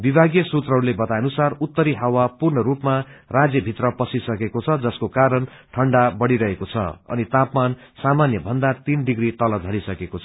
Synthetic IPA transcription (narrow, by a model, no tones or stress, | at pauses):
bibʱaɡjʌsut̪rʌɾlebʌt̪ajʌnusarut̪ːʌɾiɦawapurɳʌɾupmarad͡zjʌbʱit̪rʌpʌsisʌkekot͡sʰʌd͡zʌskokaɾʌn | ʈʰʌɳɖabʌɽiɾʌɦekot͡sʰʌ̰ʌ̰nit̪apmansamanjʌbʱʌnd̪at̪inɖiɡrit̪ʌlʌd͡zʱʌɽisʌkekot͡sʰʌ